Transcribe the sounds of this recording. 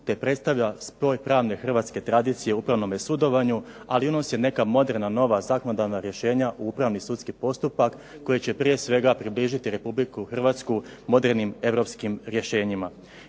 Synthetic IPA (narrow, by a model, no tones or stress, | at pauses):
t̪e̞pɾe̞t̪st̪aʋʎaspo̞ːjpɾaːʋne̞xr̩ʋaːt̪ske̞t̪ɾad̪iːt̪sije̞upɾaʋno̞mesud̪o̞ʋaɲu | aliuno̞sjene̞kamo̞d̪e̞ɾnano̞ʋazakonod̪anaɾje̞ʃe̞ːɲaʔuupɾaʋnisut̪skipo̞st̪upakː | o̞jet͡ɕe̞pɾije̞sʋe̞ɡapɾibliʒit̪iɾe̞publikuxr̩ʋat̪skumo̞d̪e̞ɾnime̞ʋɾo̞pskimɾje̞ʃe̞ːɲima